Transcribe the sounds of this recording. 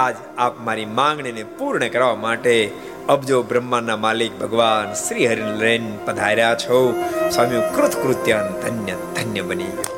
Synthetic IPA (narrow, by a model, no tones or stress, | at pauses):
ad͡ʒ | apmaɾimãŋɡɳinepuɾɳəkəɾʋamaʈe | əbd͡ʒobɾəmːanːamaːlik̚bʱəɡʋansɾiɦəɾinlenpəd̪ʱaiɾjat͡ʃʰoswaːmijũkɾʊt̪ʰkɾut̪jand̪ʱənjə | d̪ʱənjəbənḭ